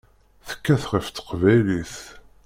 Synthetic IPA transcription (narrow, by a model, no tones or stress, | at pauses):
θə̥kːæθʁəft̪ːə̥qvæjliθ